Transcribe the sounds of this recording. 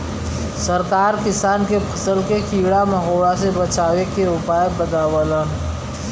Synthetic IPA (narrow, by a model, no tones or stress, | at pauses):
səɾkaːɾkɪsaːnkepʰəsəlkekʰiːɽaməɦoːɽasebət͡ʃaːwekeʊpaːjbəd̪aːwələn